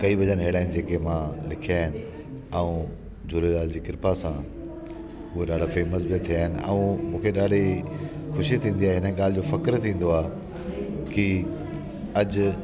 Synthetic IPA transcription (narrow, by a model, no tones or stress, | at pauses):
kɐiʋɐd͡ʑənɦeːɽaːɪnɪ̆d͡ʑeːkemãlɪkʰiaːɦɪnɪ̆ | ɛũ | d͡ʑʱʊːɾeɗaːld͡ʑiːkɪɾpasã | ʊɦeɗaːɖ̤ʱafeːməs̬bit̪ʰːijaːɦɪnɪ̆ɐ̰ũmũːkʰeɗaːɖ̤ʱexʊʃit̪ʰĩːnd̪iaːɦeɦɪnəɠaːlɪd͡ʑoːfɐkɾt̪ʰĩːn̆d̪oaːɦ | ki | ɐd͡ʑ̆